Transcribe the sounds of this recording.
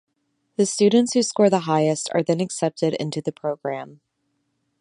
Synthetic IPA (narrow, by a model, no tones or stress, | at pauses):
ðɨstʉdⁿn̩tshʉskɔɹðəɦaɪɨstə̰˞ðɨ̃nɨksɛp̚tɨɾɪ̰̃ntʉðɨpʰɹ̥oʊɡ̥ɹæ̃m